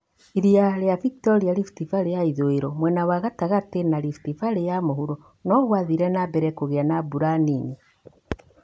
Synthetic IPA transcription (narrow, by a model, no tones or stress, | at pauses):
iɾiaɾeaviktoɾialiftifaɾejaiðoiɾomwɛnawaɣataɣatenaɾifi̥tifaɾejamohuɾo | nɔɣwaðiːɾɛnabɛɾɛkoɣeanabuɾanini